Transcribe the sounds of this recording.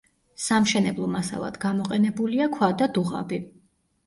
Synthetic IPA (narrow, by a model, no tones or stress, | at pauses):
samʃɛnɛblˠɔmasa̰lˠa̰d̪ɡamɔqʼɛnɛbuliakʰwad̪ad̪uʁa̰bi